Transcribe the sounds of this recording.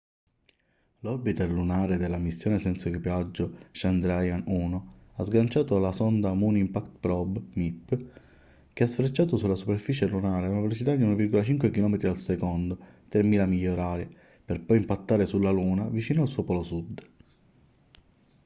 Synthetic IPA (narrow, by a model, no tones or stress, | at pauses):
lɔɾbit̪erlunaːɾed̪elːamisːjoːnesɛnsokipad͡ʒːoʃand̪ɾajanuːnoazɡant͡ʃaːt̪olasɔnd̪amunimpakt̪pɾɔbmipː | keasfɾet͡ʃːaːt̪osulːasuperfiːt͡ʃelunaːɾeunavelot͡ʃit̪ad̪iunvirɡolat͡ʃiŋkwekilɔːmet̪ɾidalsekond̪ot̪ɾemːiːlamiʎːoɾaːɾje | perpɔjimpat̪ːaːɾesulːaluːnavit͡ʃiːnoalsuːopɔlosud̪